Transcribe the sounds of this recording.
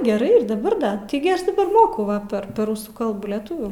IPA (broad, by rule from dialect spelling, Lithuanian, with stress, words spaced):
ɡʲɛˈrɐɪ dɐˈbɐr dɐ ˈtɐɪɡʲɪ ˈɐʃ dɐˈbɐr ˈmoːkɐʊ ˈʋɐ pʲɛr pʲɛr ˈrʊsuː ˈkɐlˠbuː lʲɛˈtʊʋʲuː